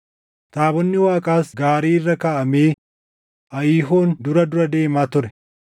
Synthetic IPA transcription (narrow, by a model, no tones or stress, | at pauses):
t̪aːbɔnːɪwaːkʼaːsɡaːɾiːɪrːɐkaːʔɐmeː | ʔɐjiːɦoːnd̪ʊɾɐd̪ʊɾɐd̪e̞ːmaːt̪ʊɾɛ